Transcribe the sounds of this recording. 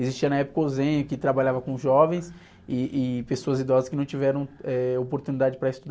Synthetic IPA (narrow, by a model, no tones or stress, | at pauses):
ezist͡ʃiɐnɐɛpʊ̥kɐozẽɲʊkɪt̪ɾabaʎavɐkõʒɔvẽj̃s | ɪʔɪpesoɐzid̪ɔzɐskɪnɐ̃w̃t͡ʃivɛɾɐ̃w̃ɛopoɾt̪unid̪ad͡ʒɪpɾɐest̪ud̪a